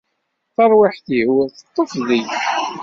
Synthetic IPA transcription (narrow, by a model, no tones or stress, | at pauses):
θɑɾˤwaħθihwəɾθət̪ˤːofði